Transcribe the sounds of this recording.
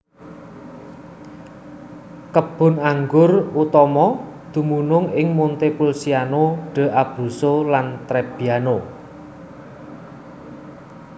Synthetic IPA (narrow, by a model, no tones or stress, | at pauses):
kəb̥ʊ̤naŋɡʊrut̪ɔmɔd̪̥ṳmunʊŋɪŋmunt̪epulsianoɖ̥ə̤ʔab̥ɾusolant̪ɾɛb̥ijano